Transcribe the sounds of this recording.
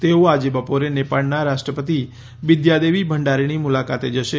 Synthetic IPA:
t̪eoad͡ʒebəpoɾenepaɭnaɾaʃʈɾəpət̪i | ʋɪd̪jad̪eʋibʱəɳɖaɾiñimʊlakat̪ed͡ʒəʃe

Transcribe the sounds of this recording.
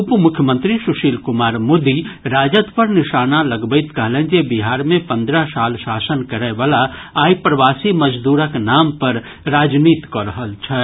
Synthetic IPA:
ʊpmʊkʰjəmə̃nt̪ɾisʊʃiːlkʊmaːɾmoːd̪iɾaːd͡ʒət̪pɐɾnɪʃaːnalɐɡbəɪt̪kəɦlẽːd͡ʒebiɦaːɾmẽpɐ̃nd̪ɾəsaːlʃaːsənkɐɾɛʋaːlaaːipɾəʋaːsimɐd͡ʒd̪uːɾəknaːmpɐɾ | ɾaːd͡ʒniːt̪kɔːɾəɦəlt͡ʃʰɛ

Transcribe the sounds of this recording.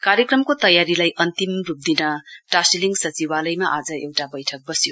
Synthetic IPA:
kaɾjekɾʌmkot̪ʌjaɾilajʔɐnt̪imɾup̚d̪inɐʈasiliŋsɐt͡ʃiwalɐjmaʔad͡ʒɐewʈabʌjtʰʌk̚bʌsijo

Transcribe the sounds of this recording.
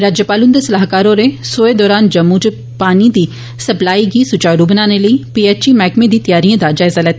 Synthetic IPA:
ɾaːd͡ʒjəpaːlʊnd̪esəlaːɦkaːɾõɾesoːed̪ɔːɾaːnd͡ʒəmːud͡ʒ | paːnid̪iː | səplaːiɡiːsʊt͡ʃaːɾubnãːneləipiːeːt͡ʃimɛːkmẽd̪iːt̪əjaːɾiãd̪ad͡ʒaːɪzalɛːt̪

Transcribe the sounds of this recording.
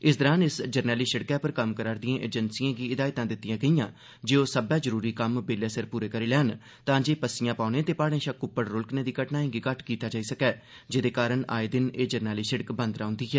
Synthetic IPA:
ɪsd̪əɾaːnɪsd͡ʒəɾnɛːliːʃəɽkɛːpəɾkəmkəɾaːɾd̪ijãːʔeːd͡ʒənsijãːɡiːɪd̪aːɪt̪ãːd̪ɪt̪ːɪjãːɡəijãː | d͡ʒeːoːsəbɛːd͡ʒəɾuːɾiːkəmbeːleːsəɾpuːɾeːkəɾiːlɛːn | t̪ãːd͡ʒeːpəsɪjãːpaːnẽːt̪eːpaːɽẽːʃəkːʊpːəɽɾʊlknẽːd̪iːkəʈnaːẽːɡiːkəʈʰkiːt̪aːd͡ʒaːiːsəkɛː | d͡ʒed̪eːkaːɾəɳa̰ːeːd̪ɪneːd͡ʒəɾnɛːliːsəɽkbə̃nd̪ɾaːʊ̃nd̪iːɦɛː

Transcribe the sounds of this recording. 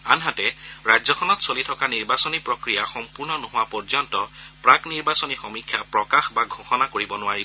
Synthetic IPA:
anɦatɛɹajzɔkʰɔnɔtsolitʰɔkaniɹbasonipɹokɹijaxɔmpuɹnɔnoɦʊwapɔɹzɔntɔpɹakniɹbasonixɔmikʰjapɹɔkaxbaɡʱoxɔnakoɹibɔnʊaɹi

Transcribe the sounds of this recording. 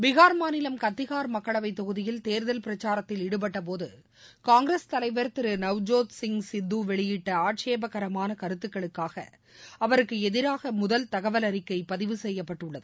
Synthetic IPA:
ʋɪɣaːɾmaːnɪlɐmkɐt̪ːɪɣaːɾmɐkːɐɭɐʋɐɪt̪ːɔɣɯðɪjɪlt̪eːɾðɐlpɪɾɐt͡ʃːaːɾɐt̪ːɪlɪɽɯp̬ɐʈːɐp̬oːðɯ | kaːŋɡɾest̪ɐlɐɪʋɐɾt̪ɪɾɯnɐʋd͡ʒoːt̪sɪŋsɪnd̪ːuʋɛɭɪjɪʈːɐaːʈʂeːbɐkɐɾɐmaːnɐkɐɾɯt̪ːɯkːɐɭɯkːaːɣɐ̰ | ɐʋɐɾɯkːɯɛðɪɾaːɣɐmʊðɐlt̪ɐɣɐʋɐlɐɾɪkːɐɪpɐðɪʋɯsɛjːɐpːɐʈːɯɭːɐðɯ

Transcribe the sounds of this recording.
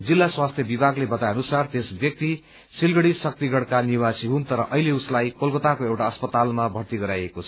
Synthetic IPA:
d͡zilːaswast̪ʰjʌbibʱaɡlebʌt̪ajʌnusart̪esbjʌk̚t̪i | silɡʌɽisʌk̚t̪iɡʌɽkaniwasiɦunt̪ʌɾʌʔʌɦileuslajkolkʌt̪akoewʈaʌspʌt̪almabʱʌɾt̪iɡʌɾajekot͡sʰʌ

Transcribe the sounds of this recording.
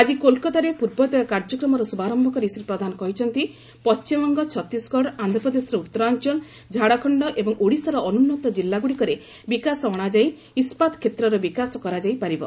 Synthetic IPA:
ad͡ʒikolkɔt̪aɾepuɾbɔd̪ɔkaɾd͡ʒɔkɾɔmɔɾɔsubaɾɔmbʱɔkɔɾisɾepɾɔd̪anɔkɔɦit͡ʃʰɔnt̪i | pɔst͡ʃimɔŋɡɔt͡ʃʰɔt̪ːisɡɔɽand̪ʱɔpɾɔd̪esɔɾɔut̪ːɔɾaɔnt͡ʃɔl | d͡ʒʱaɽakʰɔɳɖɔʔebɔŋuɽisɔɾɔʔɔnunːɔt̪ɔd͡ʒilːaɡuɽikɔɾe | bikasɔɔɽ̃ad͡ʒaj | ispat̪kʰet̪ɾɔɾɔbikasɔkɔɾad͡ʒajpaɾibɔ̰

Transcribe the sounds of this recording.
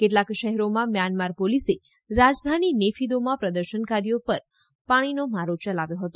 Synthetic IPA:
keʈlakʃəɦɛɾomãmjanmaɾpolise | ɾad͡ʒd̪ʱaninefʰid̪omãpɾəd̪əɾʃənkaɾijopəɾ | paɽ̃inomaɾot͡ʃəlaʋjoɦət̪o

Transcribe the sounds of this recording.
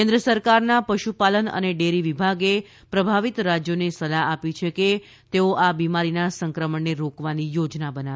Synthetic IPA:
kẽnd̪ɾəsəɾkaɾnapəʃupalənə̰neɖeɾiʋibʱaɡe | pɾəbʱaʋit̪ɾad͡ʒjonesəlaapit͡ʃʰeke | t̪eoʔabimaɾinasəŋkɾəməɳːeɾokʋanijod͡ʒnabəna

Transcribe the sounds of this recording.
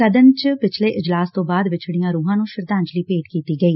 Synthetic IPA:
kəd̪ənt͡ʃpɪt͡ʃʰleːʔɪd͡ʒlaːst̪õːbaːd̪ʋɪt͡ʃʰɽɪjãːɾuːɦãːnũːʃɪɾd̪ãːɲt͡ʃliːpeːʈkiːt̪iːɡəiː

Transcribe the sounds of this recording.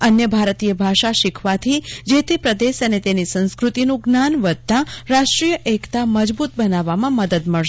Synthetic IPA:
ənjəbʱaɾt̪ijəbʱaʃaʃɪkʰʋat̪ʰid͡ʒet̪ʰepɾəd̪eʃənet̪enisə̃nskɾut̪inũɡnanʋəd̪̚t̪ãɾaʃʈɾijəʔekt̪aməd͡ʒbut̪̚bənaʋamãməd̪əd̪məɭʃ

